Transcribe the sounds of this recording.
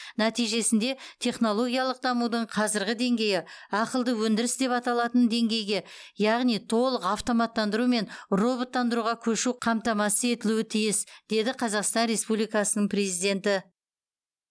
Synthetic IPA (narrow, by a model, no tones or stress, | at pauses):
næt̪ijʒe̞sɪnd̪e̞t̪ʰe̞χno̞lˠo̞ɡʲijɑlˠəq̚d̪ɑmud̪əɴqʰɑzɪɾɡʲɪd̪e̞ŋɡʲe̞jɪɑqəlˠd̪əwɵnd̪ɪɾɪsd̪e̞pɑt̪ɑlˠɑt̪ənd̪e̞ŋɡʲe̞jɡʲe̞jɑʁnijt̪ʰo̞lˠəqɑft̪o̞mɑt̪ːɑnd̪əɾume̞nro̞bo̞t̪ːɑnd̪əɾuʁɑkʲʰɵʃuqʰɑmt̪ɑmɑsəe̞t̪ɪluɪt̪ʰijɪsd̪̥e̞d̪ɪqʰɑzɑqst̪ɑnɾʲe̞spublijkɑsənəɴprʲe̞zijd̪e̞nt̪ɪ